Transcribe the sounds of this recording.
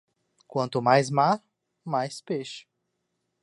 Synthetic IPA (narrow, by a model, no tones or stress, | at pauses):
kwɐ̃nt̪ʊmajzmaɾ | majspeʃʊ̥